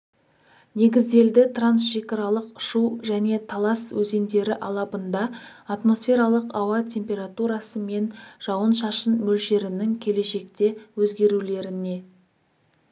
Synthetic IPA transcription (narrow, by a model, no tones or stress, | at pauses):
ne̞ɡʲɪzd̪e̞ld̪ɪt̪ransʒekʲɪɾɑlˠəqʊ̥ʃuʒæne̞t̪ʰɑlˠɑswɵze̞nd̪e̞ɾɪʔɑlˠɑbənd̪ɑːt̪mo̞sfʲe̞ɾɑlˠəqɑwɑt̪ʲʰe̞mpʲe̞ɾat̪uɾɑsəme̞nʒ̥ɑwənʃɑʃənmɵlʃe̞ɾɪnɪŋkʲʰe̞le̞ʃe̞k̚t̪e̞wɵzɡʲe̞ɾule̞ɾɪne̞